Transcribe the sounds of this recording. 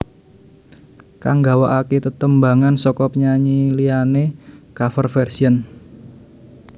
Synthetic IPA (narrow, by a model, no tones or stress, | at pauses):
kaŋɡawaʔaket̪ət̪əmbaŋansɔkɔpɲaɲilianekafərfɛrsiən